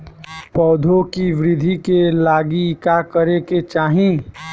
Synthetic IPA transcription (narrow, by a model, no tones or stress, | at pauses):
pɔːd̪ʱokiʋɾɪd̪ʱikelaːɡikakəɾeket͡ʃaːɦĩ